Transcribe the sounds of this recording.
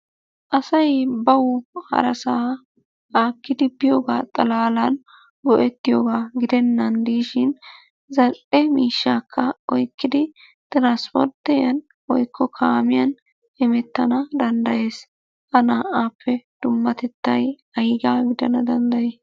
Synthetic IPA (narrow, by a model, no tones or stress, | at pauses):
ʔɐsɐjbɐwʊhɐ̰ɾɐsaː | aːkːɪd̪ɪbɪjoːɡaːt̪ʼɐlaːlɐn | ɡɔʔɛt̪ːɪjoːɡaːɡɪd̪ɛnːɐnd̪iːʃɪn | zɐlʔɛmiːʃːaːkʰːɐɔjkːɪd̪ɪ | t̪ʼɪɾaːnspɔ̰ɾt̪ːɛjɐn | wɔjkʰːɔkʰaːmɪjɐn | ɛmɛt̪ːɐnɐd̪ɐnd̪ɐje̞ːs | hɐnaːʔaːpʰːɛd̪̥ʊmːɐt̪ɛt̪ːɐj | ɐjɡaːɡɪd̪ɐnɐd̪ɐnd̪ɐjeː